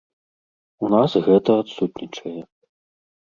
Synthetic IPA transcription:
unasɣɛt̪ɐat̪sut̪nʲit͡ʂɐjɛ

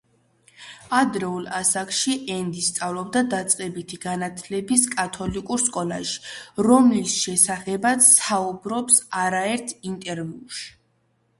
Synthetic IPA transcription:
ad̪ɾɛulˠasakʼʃiʔɛnd̪ist̪sʼavlɔbd̪ad̪at̪sʼqʼɛbit̪ʰiɡanat̪ʰlɛbiskʼat̪ʰɔlikʼuɾskʼɔlaʃi̥ɾɔmlisʃɛsaχɛbat̪saubɾɔpsaɾaɛɾt̪ʰint̪ʼɛɾviuʃi̥

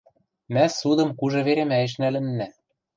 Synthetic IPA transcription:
mæsud̪ɤ̆mkuʒɤ̆βeɾĕmæjɘ̆ʃ̬nælɘ̆nːæ

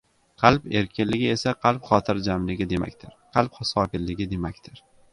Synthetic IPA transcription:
qʰɑlˠpe̞ɾkʲʰɪnlɪɡʲɪe̞saqʰɑlˠpχɒt̪ʰɪɾd͡ʒamlɪɡʲɪd̪e̞ma̰kʲt̪ʰɪɾqʰɑlˠpχasɒkʲɪlːɪɡʲɪd̪e̞makʲt̪ʰɪɾ

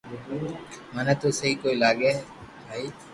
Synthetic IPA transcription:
manat̪osɐɦikoːilaːɡe | bʱaːi

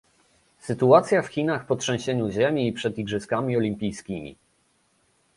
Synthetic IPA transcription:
sɘt̪uat̪sʲjafxʲinaxpɔtʂɛ̃w̃ɕeɲuʑemʲiːpʂɛd̪iɡʐɘskamʲiɔlʲimpʲijskʲimʲḭ

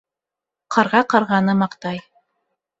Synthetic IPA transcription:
qʰɑɾʁɑqɑɾʁɑnɤmɑqt̪ɑj

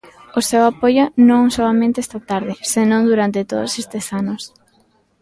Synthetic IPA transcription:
ʊsewapojʊnõŋsoamẽnt̪est̪at̪aɾðɪsenõŋd̪uɾant̪ɪt̪o̰ðʊ̰sest̪esanʊs

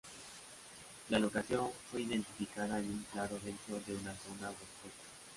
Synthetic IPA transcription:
lalo̞kaθjo̞ɱfwe̞iðe̞nt̪ifikaðaenuŋklaɾo̞βent̪ɾo̞ðe̞unaθo̞naokekḁ

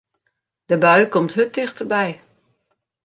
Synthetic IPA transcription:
d̥əbœɥkɔmthøt̚dɪxtərbɛj

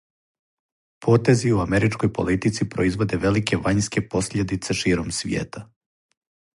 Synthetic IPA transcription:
pʰo̞ːt̪e̞ziuameɾit͡ʃko̞jpo̞̰lit̪it̪sipɾo̞̰izʋo̞d̪e̞ʋe̞like̞ʋaɲske̞po̞sʎʲe̞d̪it̪se̞ʃiːɾo̞msʋjḛːt̪a

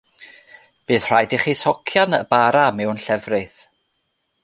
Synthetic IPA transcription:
b̥ɨːð̥r̥ajdiχisɔkʰjanə̰baɾamɛwnɬɛvrɨθ

